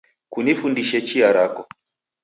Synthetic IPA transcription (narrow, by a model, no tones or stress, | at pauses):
kunifundiʃɛt͡ʃiaɾakɔ